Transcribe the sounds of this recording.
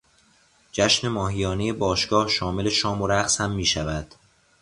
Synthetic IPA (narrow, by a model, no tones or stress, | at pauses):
d͡ʒæʃne̞mɒːɦijɒːnejebɒːʃɡ̥ɒːhʃɒːme̞le̞ʃɒːmoɾæχshæmːiːʃævæd̪̥